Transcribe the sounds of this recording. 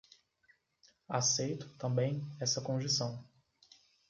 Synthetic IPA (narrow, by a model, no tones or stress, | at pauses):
asejt̪ʊ̥t̪ɐ̃mbẽj̃ɛsɐkõd͡ʒisɐ̃w̃